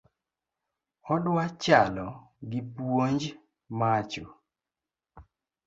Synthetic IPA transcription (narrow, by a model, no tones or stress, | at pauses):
ɔdwat͡ʃalɔɡɪpwoɲd͡ʒ | mat͡ʃo